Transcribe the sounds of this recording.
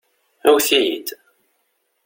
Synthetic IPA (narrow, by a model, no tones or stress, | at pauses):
æwθijḭd̪